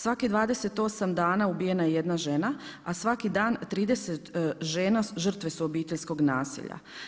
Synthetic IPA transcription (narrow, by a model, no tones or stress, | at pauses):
sʋakid̪ʋaːd̪e̞se̞t̪o̞samd̪aːnaubije̞najeje̞d̪naʒe̞naasʋakid̪aːnt̪ɾiːd̪e̞set̪ʒeːnaʒər̩t̪ʋe̞suobiːt̪e̞ʎʲsko̞ɡnaːsḭʎa̰